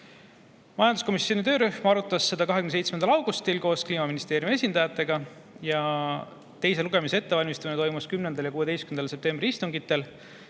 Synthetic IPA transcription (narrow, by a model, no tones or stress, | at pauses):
mɑjɑnd̪usko̞misːjo̞nit̪ø̞ːɾyhmɑɾut̪ːˑɑsːe̞d̪̥ɑkɑɦekynsejt̪smend̪ɑlɑwɡ̥ust̪ilko̞ːskliːmɑminist̪eːɾjume̞sʲind̪ɑjɑt̪ːˑe̞ɡ̥ɑ | jɑ | t̪e̞js̬e̞luɡ̥e̞mise̞e̞t̪ːe̞ɑlʲmist̪ɑminet̪o̞jmuskymnend̪ɑljɑkuːe̥ejskymnɑlse̞p̚t̪e̞mbriist̪uŋɡit̪ːˑe̞l